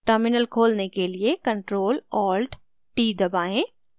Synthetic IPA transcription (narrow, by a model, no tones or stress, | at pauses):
ʈəɾmɪnəlkʰoːlnekeliekɐ̃ɳʈɾoːlɔːlɖ | ʈiːd̪ɐbaːẽː